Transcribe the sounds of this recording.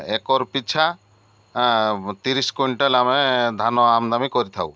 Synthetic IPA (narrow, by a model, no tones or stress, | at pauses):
ekɔɾpit͡ʃʰa | t̪iɾiskuɳʈalamed̪ʱanɔamd̪amikɔɾit̪ʰaw